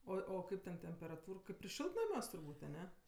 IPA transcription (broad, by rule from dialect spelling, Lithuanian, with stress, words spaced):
ˈoːɪ oː ˈkɐɪp tʲɛn tʲɛmʲpʲɛrɐˈtuːr ɪr ˈʃʲɪlˠtnɐmʲuɔs tʊrˈbuːtʲ ɐˈnʲɛ